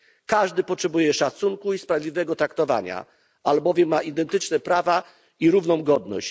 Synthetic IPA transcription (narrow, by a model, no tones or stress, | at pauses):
kaʐd̪ɘpɔtʂɛbujɛʂat̪suŋkuispɾavʲjd̪ʲlʲivɛɡɔt̪ɾakt̪ɔva̰ɲa̰ | albɔvʲjɛmːaʔid̪ɛnt̪ɘt͡ʂnɛpɾava | iɾuvnɔ̃w̃ɡɔd̪nɔ̰ɕt͡ɕ